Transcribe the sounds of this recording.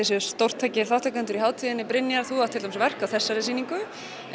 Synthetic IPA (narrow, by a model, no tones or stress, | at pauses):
ɪsɛst̪owr̥t̪ʰːajcɪ̥θawht̪ʰakant̪ʏɾiɦaːwt̪ʰiðɪnːɪpɾɪnːjaɾθuawt̪ʰːɪlamsvɛr̥kawθɛsːaɾɛsiːniŋkʏ